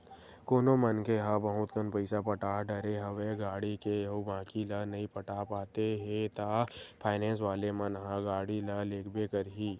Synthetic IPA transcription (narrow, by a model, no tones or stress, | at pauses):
koːnomənkeɦãːbɐɦʊ̃t̪kənpəɪsapəʈaːɖəɾeɦɐʋeɡaːɽikejɐɦobãːkilənɐɦĩpəʈaːpaːt̪eɦẽt̪aːpʰaːɪnɛ̃ːns̬ʋaːlemɐnɦãɡaːɽiləleːkʰbekəɾɦiː